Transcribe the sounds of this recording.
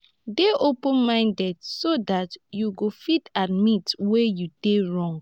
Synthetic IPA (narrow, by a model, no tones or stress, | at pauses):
deʔopə̃nmãɪ̃ndɛdsodatjuɡofitadmitwejud̥eɹɔ̃ŋɡ